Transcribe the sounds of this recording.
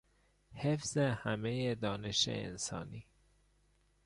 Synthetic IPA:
hefz̥ehæmejed̪ɒːne̞ʃḛḛnsɒ̰ːniː

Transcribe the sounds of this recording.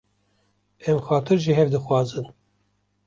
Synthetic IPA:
ɛmxɑːt̪ʰɨɾʒiɦɛvd̪ɨxwɑːzɨn

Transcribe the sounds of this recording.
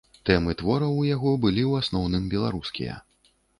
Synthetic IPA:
t̪ɛmɨt̪vɔɾɐwjaɣɔbɨlʲiwasnɔwnɨmbʲɛlˠa̰ɾuskʲḭjɐ̰

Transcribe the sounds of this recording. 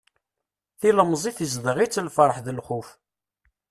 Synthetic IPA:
θiləmzˤiθizðəʁit͡sːlfɾˤəħðəlχuf

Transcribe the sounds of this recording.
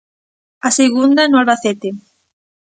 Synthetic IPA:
aseɣund̪anʊalβaθet̪e

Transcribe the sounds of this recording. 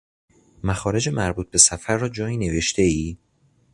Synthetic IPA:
mæxɒːɾe̞d͡ʒe̞mæɾbuːt̪̚b̥e̞sæfæɾːɒːd͡ʒɒːiːne̞ve̞ʃt̪ʰe̞iː

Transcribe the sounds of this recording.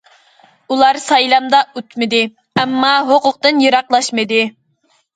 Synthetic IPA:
ulˠɑɾsɑjlˠɑmd̪ɑøt̪mɪd̪ɪ | ɛmːɑɦoqʊq̚t̪ɨnjɨɾɑqlˠɑʃmɨd̪ɪ

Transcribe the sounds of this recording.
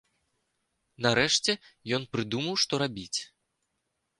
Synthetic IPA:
naɾɛʂt͡sʲɛjɔnpɾɨd̪umɐwʂt̪ɔɾabʲit͡sʲ

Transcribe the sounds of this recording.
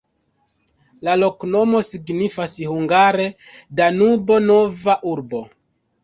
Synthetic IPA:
lalo̞kno̞mo̞siɡnifasihuŋɡaɾe̞danubo̞no̞vaʔuɾbo̞

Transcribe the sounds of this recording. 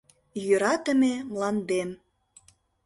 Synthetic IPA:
jøɾɑt̪ə̆memlɑnd̪em

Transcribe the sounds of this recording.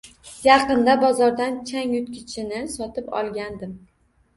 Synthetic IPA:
jɑqɨnd̪abɒzɒɾd̪ant͡ʃʰaŋjʊt̪kʲʰɪt͡ʃʰɪnɪsɒt̪ɪpɒ̰lˠɡʲand̪ɪm

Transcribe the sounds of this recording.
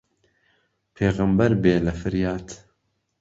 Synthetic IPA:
pʰeːɣɨmbɐɾbeːlɐfɨɾjaːt̪

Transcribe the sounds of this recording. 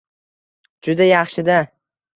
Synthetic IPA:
d͡ʒʊd̪ajɑχʃɪd̪a

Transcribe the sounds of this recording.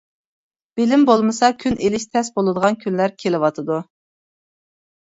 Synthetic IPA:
b̥ɪlɪmbolˠmɨsɑkʲʰynʔelɪʃt̪ʰɛsbolˠɨd̪əʁɑnkʲʰynlæɾkʲʰelɪwɑt̪ʰɨd̪u

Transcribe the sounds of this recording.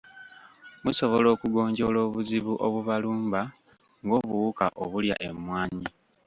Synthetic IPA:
muso̞βo̞lo̞ːkuɡo̞ːɲɟo̞ːlo̞ːβuziβuʔoβuβaluːmba | ŋɡo̞ːβuwukaʔoβulja̰ʔe̞mwaːɲi

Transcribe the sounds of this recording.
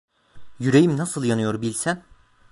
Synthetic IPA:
jyɾe̞jimnasɯlˠjanɯjo̞ɾbilʲsæ

